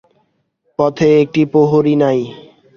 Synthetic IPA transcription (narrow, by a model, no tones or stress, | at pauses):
pɔt̪ʰeek̚ʈipoɦoɾinaj